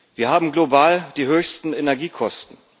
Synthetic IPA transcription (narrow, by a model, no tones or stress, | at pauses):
viːɐɦaːbm̩ɡlobaːld̥iːɦøːçstn̩enɛɐɡiːkʰɔstn̩